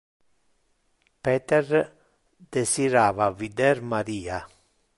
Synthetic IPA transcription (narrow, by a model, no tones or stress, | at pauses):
pɛːt̪ɛr | d̪̥esiɾaːvavid̪ɛɾmaɾiːa